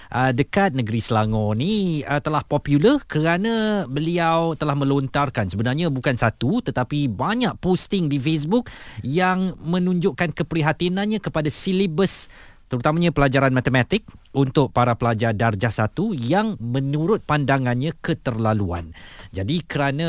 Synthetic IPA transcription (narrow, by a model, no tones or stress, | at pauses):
ʔədəkat̪̚nəɡəɾisəlaŋɔniət̪əlahpɔpjulərkəɾanãbəliawt̪əlahmə̃lont̪arkansəbənarɲãbukansat̪ut̪ət̪apibaɲaʔ̚post̪ɪŋdifes̬bʊk̚jaŋmə̃nũɲd͡ʒʊʔkankəpəɾiɦat̪inãnɲãkəpadasilibəs | t̪əɾut̪amãɲãpəlad͡ʒaɾanmat̪əmat̪ɪk̚unt̪ʊʔ̚paɾapəlad͡ʒardard͡ʒahsat̪ujaŋmə̃nuɾʊt̪̚pandaŋanɲãkət̪ərlalua̰nd͡ʒadikəɾanã